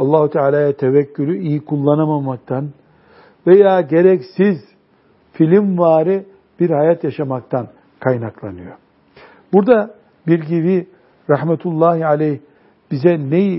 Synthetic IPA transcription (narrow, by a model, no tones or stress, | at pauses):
ɑlˠːaːhut̪ʰɛaːlʲaːjat̪ʰevɛcʰːylʲyijikʰulˠːanamamak̚t̪ʰan | vejaːɟe̞ɾɛcsiz | filʲimvaːɾɯ | b̥iɾhajat̪jaʃamak̚t̪ʰan | kʰajnaklˠa̰nɯ̰jo | b̥uɾd̪a | biɾɟivi | ɾahmɛt̪ʰulˠːaːɦialʲɛj | b̥izɛneji